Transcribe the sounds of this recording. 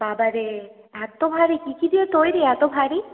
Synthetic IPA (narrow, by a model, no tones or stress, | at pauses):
babaɾe | at̪obʱaɾikikid̪iet̪ojɾeat̪obʱaɾi